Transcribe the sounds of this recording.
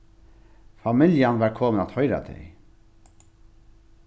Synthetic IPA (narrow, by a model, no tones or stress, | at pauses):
famɪljanʋæɾkʰoːmənat̪hɔʏjɾa̰d̪ɛ̰j